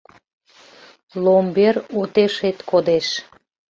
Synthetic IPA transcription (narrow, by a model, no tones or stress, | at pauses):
lomberut̪eʃet̪kod̪eʃ